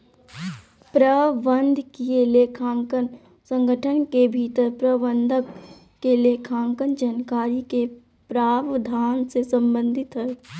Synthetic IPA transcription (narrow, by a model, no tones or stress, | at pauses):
pɾəʋənd̪ʱkieleːkʰaːŋkən | sə̃ŋɡʱəʈʰənkebʱiːt̪əɾpɾəʋə̃nd̪ʱək | keleːkʰãːŋkənd͡ʒankaːɾike | pɾaːʋd̪ʱaːnsesə̃mbə̃nd̪ʱɪt̪ɦɛː